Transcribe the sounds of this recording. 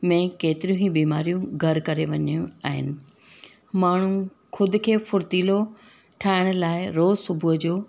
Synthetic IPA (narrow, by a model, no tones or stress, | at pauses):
mẽkeːt̪ɪɾijũɦĩbiːmaːɾijũɡʱɐɾkɐɾeʋɐɲijũa̰ːɦɪ̰nɪ̆ | maːɳ̤ũ | kʰʊd̪ʊ̆kʰeːfʊɾt̪iːlo | ʈʰaːɪɽ̃laːɪɾoːsʊbʱʊɦd͡ʑoː